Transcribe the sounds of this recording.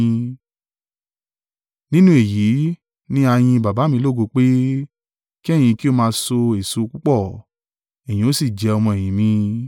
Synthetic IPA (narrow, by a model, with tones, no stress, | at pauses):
nĩ˦nũ˦e˦˨ji˨˦ | nĩ˦a˧j̃ĩ˧ba˨ba˨˦mĩ˧˦lo˦˨ɡo˧k͡pe˦ | ki˦ɛ˦˨j̃ĩ˧ki˦o˦mãː˧so˧e˨su˧˦˧k͡pu˦k͡pɔ˦˨ | e˨j̃ĩ˨o˦si˦˨d͡ʒɛ˨˧ɔ˧mɔ̃˧e˨j̃ĩ˨˦mĩ˧